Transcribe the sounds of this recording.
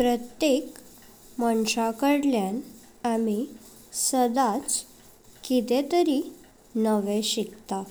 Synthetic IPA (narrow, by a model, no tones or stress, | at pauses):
pɾət̪jek | məɳɕakəɽljan | ami | səd̪at͡s | kit̪et̪əɾi | nəʋẽɕikt̪a